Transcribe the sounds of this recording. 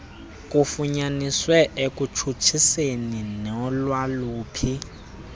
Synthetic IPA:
kʼufuɲaniswɛʔekʼut͡ʃʰut͡ʃʰiseninɛɔlwaluːpʰi

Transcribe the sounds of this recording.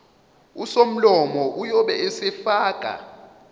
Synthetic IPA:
usom̩lɔmɔʔujɔɓɛɛsɛfaːkʼa̰

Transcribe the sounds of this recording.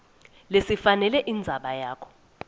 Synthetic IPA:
lesifanɛlɛʔind͡zʱaɓajaːkʰɔ̥

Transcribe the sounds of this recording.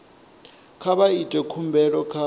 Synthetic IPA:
kʰaβaitʼɛkʰumbʱɛɺɔkʰa

